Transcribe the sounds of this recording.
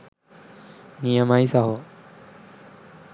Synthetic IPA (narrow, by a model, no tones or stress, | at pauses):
nijəmaːisaɦo